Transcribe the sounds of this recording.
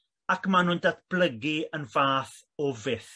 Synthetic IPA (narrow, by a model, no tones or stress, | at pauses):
akmanʊndatb̥ləɡiənvaːθ | ɔvɪθ